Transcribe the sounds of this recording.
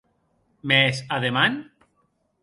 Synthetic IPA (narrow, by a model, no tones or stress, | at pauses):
mesaðeman